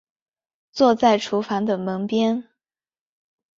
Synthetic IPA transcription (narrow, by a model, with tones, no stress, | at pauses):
t͡swɔ˥˧t͡sa˥˩ɪʈ͡ʂʰu˧˥fa˧˥nd̪ə˨mə˧˥ŋpjɛ˥n